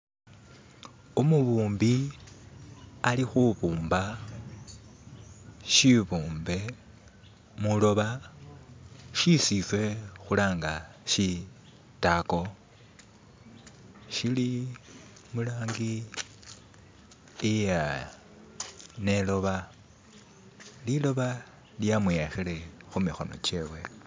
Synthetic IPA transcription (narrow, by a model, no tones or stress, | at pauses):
umuβuːmbi | alixuβuːmba | ʃiβuːmbe̞ | mulo̞βa | ʃisiswe̞xulaːŋɡaʃi | tako̞ | ʃili | mulaːŋɡi | ja | ne̞lo̞βa | lilo̞βa | ljamuexele̞xumixo̞̰no̞̰t͡ʃe̞we